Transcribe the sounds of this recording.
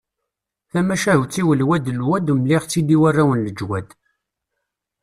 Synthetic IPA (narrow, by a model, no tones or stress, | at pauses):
θæmæʃæhwt͡sːiwəlwæd̪əlwæd̪umliʁt͡sːid̪iwærːawənləd͡ʒwæd̪